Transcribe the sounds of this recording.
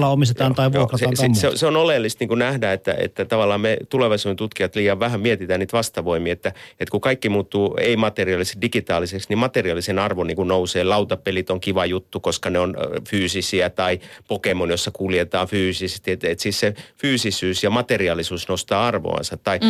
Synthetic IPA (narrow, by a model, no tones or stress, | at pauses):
lːɑomist̪et̪ɑːnt̪ɑiʋokrɑseɑːnsseoseonolelːist̪niːŋkunæhdæet̪ːæ̰ḛt̪ːæt̪ɑʋɑlːˑɑːmmet̪uleʋɑisuːnent̪ut̪kiɑt̪liːɑʋʋæhæmiet̪it̪æːnniːt̪ʋɑst̪ɑʋoimiet̪ːæet̪kukɑikːimuːt̪ːuːḛimɑt̪eriɑlisedikit̪ɑːliseksnimmɑt̪eriɑlːˑisenɑrʋoniːŋkunouseːlɑut̪ɑpelit̪oŋkiʋɑjut̪ːukoskɑneonfyːsisiæt̪ɑipokemunjosːɑkuljet̪ɑːfyːsisst̪iet̪et̪sissefyːsisyːsjɑmɑt̪eriɑlisuːsnost̪ɑːɑrʋo̰ɑ̰nsɑt̪ːɑi